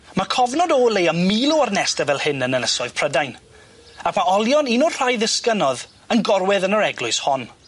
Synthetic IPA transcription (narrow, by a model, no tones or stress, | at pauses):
makʰɔvnɔdɔːlˠejamiːlˠuarnɛstəvɛlˠhɪnənənəsɔɨð̥pʰr̥ədajn | akʰmaɔlˠjɔninɔr̥ajðɪskənɔð | ənɡɔrwɛðənəɾɛɡlʊɨshɔn